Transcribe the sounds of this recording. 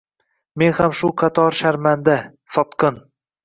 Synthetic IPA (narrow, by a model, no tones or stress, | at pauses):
me̞nhamʃʊqʰɑt̪ʰɒɾʃaɾmand̪a | sɒt̪qɤn